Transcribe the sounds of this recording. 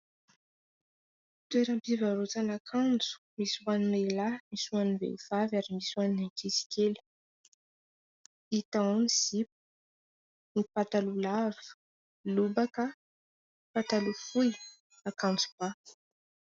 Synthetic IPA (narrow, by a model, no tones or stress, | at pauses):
t̪weɾampivaɾot͡sanakʰand͡zu̥miswaninelamisuanivḛiv̥avaɾimiswaninakʰisi̥kʲeli̥ | it̪aoniz̥ip̚u̥ | nipat̪alulavi̥ | lubakə | pat̪alufuj | akãnd͡zub̥a